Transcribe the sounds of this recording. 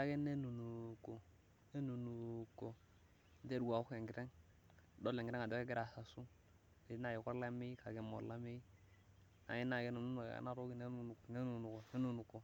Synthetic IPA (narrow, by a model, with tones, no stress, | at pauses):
a˦ɡe˦ne˦nu˨nu˨ko˨ | ne˦nu˨nu˨ko˨ | n˦te˦du˨ɡa˨u˦ke˨ŋɡi˨ɾe˦ŋ˨ | do˦le˨ŋɡɾe˦ŋa˨do˦e˦ɡi˦ɾa˨sa˨su˦ | e˨˦na˦˨je˨ko˦ɾla˦mi˦ka˨ɡe˨mo̰˨ɾla˦mi˦ | na̰˨ji˦na˨ɡe˦nu˨nu˦nṵ˨a̰˨˦na˦ɾo˦ɡi˦ne˦nu˨n˨ne˦nu˨nu˨ko˨ne˦nu˦˨nu˨ko˨